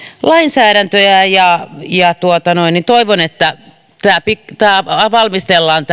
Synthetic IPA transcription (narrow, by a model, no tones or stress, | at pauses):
lɑinsæːɾænt̪øjæjɑjɑt̪uot̪ɑnoinint̪oiʋonet̪ːæ | t̪æːpikt̪æːʋɑlmist̪elːɑːnt̪